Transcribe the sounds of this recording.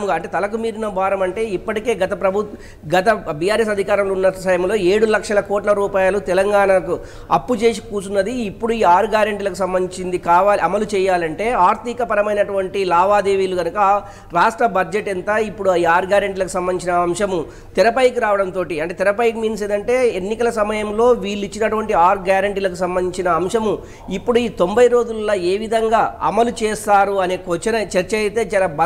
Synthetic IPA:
muɡaɐɳʈeːt̪ɐlɐk̬umiːɾinɐbaːɾɐmɐɳʈe̞ːipːɐʈike̞ːɡɐt̪ɐpɾɐbʱut̪ | ɡɐt̪ɐbijaːɾesɐd̪ʱikaːɾɐmloːunːɐsɐjɐmlo̞ːe̞ːɽulɐkʂɐlɐkɔːʈlɐɾuːpaːjalut̪ɛlɐŋɡaːnɐku | ɐ̰pːut͡ʃe̞ːs̬ikuːsunːɐd̪iːpːuɽuiːaːɾɡaːɾeɳʈilɐkusɐmbɐnit͡ʃind̪ikaːʋaːliʔɐmɐlut͡ʃɛːjaːlɐɳʈe̞ːaːɾt̪ikɐpɐɾɐmɐjnɐʈuʋɐɳʈilaːʋaːd̪eːʋiːluɡɐnukɐ | ɾaːʂʈɾɐbɐɾd͡ʒeʈɛnt̪ɐipːuɽuɐaːɾɡjaːɾɐɳʈ̬ilɐkusɐmbɐnːit͡ʃinɐːmʂɐmu | t̪iɾɐpɐjikuɾaːʋɐɽɐnt̪o̞ːʈiɐɳʈeːt̪iɾɐpɐjkumiːns̬eːd̪ɐɳʈe̞ːenːikɐlɐsɐmɐjɐmlo̞ːʋiːlːit͡ʃːinɐʈuʋɐɳʈiaːɾɡjaːɾɐɳʈiːlɐkusɐmbɐniɲt͡ʃinɐːmʂɐmu | ipːuɽuiːt̪o̞mbɐjɾo̞ːd͡ʒullːɐːe̞ːʋid̪ʱɐŋɡaːɐ̰mɐlut͡ʃɛːst̪aːɾuɐne̞ːkot͡ʃːɐnɐt͡ʃɐɾt͡ʃɐɐjt̪e̞ːt͡ʃaːlɐbɐ

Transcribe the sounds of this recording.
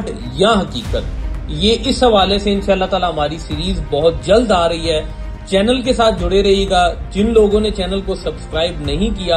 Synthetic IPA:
ʈ | jɐ̃ɦɐkiːkət̪jeːʔɪsɦɐʋaːleseɪ̃nʃaːɐlːaɦt̪aːlaɦɐmaːɾisiːɾiːzbɐɦʊt̪̚d͡ʒɐld̪aːɾɐɦiɦɛː | t͡ʃɛːnəlk̬esaːt̪̚ʰd͡ʒʱʊɽeɾɐɦiɡaːd͡ʒɪnloːɡõnet͡ʃɛːnəlkosɐbskɾaːɪbnɐɦĩkijaː

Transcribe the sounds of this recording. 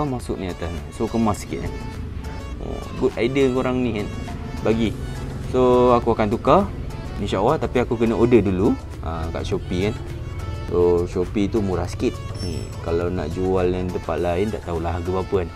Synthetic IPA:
amasʊ̰ʔniat̪ansokəmasə̥kḭt̪̚na | o̰ɡut̪aidənkuɾaŋnikanbaɡisoakuakant̪uka | ĩnʃaʔalaht̪apiakukənəʔodədulu | əka̰ʔʃopikan | soʃopit̪umuɾahsə̥kit̪̚nḭkalawna̰ʔd͡ʒualandəpa̰t̪̚lainda̰ʔt̪aɦulahɦaɡəbapəan

